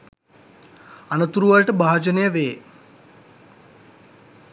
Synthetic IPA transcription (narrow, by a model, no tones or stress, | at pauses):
anət̪uɾuʋalʈəbaːd͡ʒənejəʋeː